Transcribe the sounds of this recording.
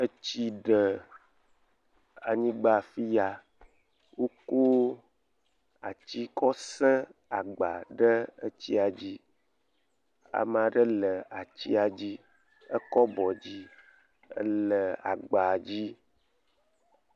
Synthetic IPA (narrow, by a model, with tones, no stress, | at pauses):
ə˦t͡ɕi˦ɖə˨ | a˨ɲĩ˦ɡ͡ba˨fi˦ja˨ | wo˦ko˦ | a̰˨t͡ɕi˦kɔ˦sɛ̃˦a˨ɡ͡ba˨ɖə˦ə˦t͡ɕi˦a˨d͡ʑi˦ | a̰˨m˨a˨ɖə˦lə˨a˨t͡ɕi˦a˨d͡ʑi˦ | ə˦kɔ˦bɔ˨d͡ʑi˦ | ə̰˦lə˨a̰˨ɡ͡ba˨d͡ʑi˦